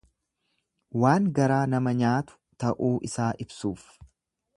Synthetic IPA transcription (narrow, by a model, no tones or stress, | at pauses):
waːŋɡɐɾaːnɐmɐɲaːt̪ʊ̥t̪ɐʔuːʔɪsaːʔɪbsuːf